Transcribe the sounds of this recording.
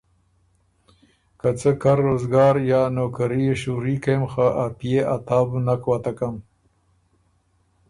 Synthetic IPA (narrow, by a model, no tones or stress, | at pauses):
kat͡səkaɾːoːzɡɑːɾjɑnoːkaɾieʃuɾikemxaʔapijeʔat̪ɑːbnakwat̪akam